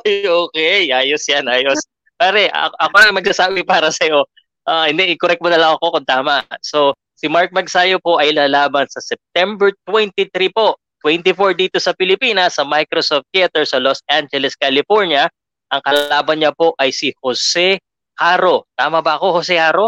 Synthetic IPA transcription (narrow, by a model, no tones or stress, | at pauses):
jʔoːkɛjʔaːjosjanʔaːjos | paːɾɛʔɐ̰ʔɐkonɐŋmɐɡ̚sɐsaːbɪpaːɾɐsɐjo̞ | ʔaʔɛnd̪ɛʔɪkoɾɛk̪̚monɐlɐŋɐko̞kʊnt̪aːmɐso̞ | sɪmaɹk̚mɐɡsaːjopo̞ʔɐjlaːlaːbɐnsɐsɛp̚t̪ɛmbɛɹt̪̚wɛnt̪it̪ɾipo̞ʔ | t̪wɛnt̪ifoɹd̪iːt̪o̞sɐpɪlɪpiːnɐsːɐmajkɾosoft̪̚kɛt̪ɛɹsɐlosʔand͡ʒɛlɛskalɪfoɹnjɐ | ʔɐŋkɐlaaːbɐnɲɐpo̞ʔɐjsihosɛ | haːɾo̞t̪aːmɐbɐʔɐko̞hosɛhaːɾo̞